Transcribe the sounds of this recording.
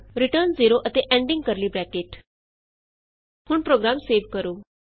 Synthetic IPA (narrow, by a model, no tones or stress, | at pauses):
ɾɪʈəɾnziːɾoʔət̪eʔɛ̃ːɳɖɪ̃ŋɡ̚kəɾliːbɾɛːkeːʈ | hʊɳpɾoːɡɾaːmseːʋkəɾoː